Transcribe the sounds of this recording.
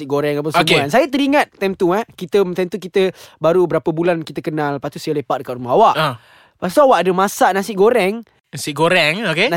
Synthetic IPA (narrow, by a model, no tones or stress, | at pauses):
iʔɡoɾɛŋap̬əsoəmuansajət̪əɾiŋãt̪̚t̪ːɛmt̪uakit̪ət̪ɛmt̪ukit̪əbaɾubəɾapəbulankit̪əkənalpat̪usəlepaʔ̚dəkat̪rumaɦawaʔa | past̪uawaʔadəmasaʔnasɪʔɡoɾɛŋ | nasiɡoɾɛŋokena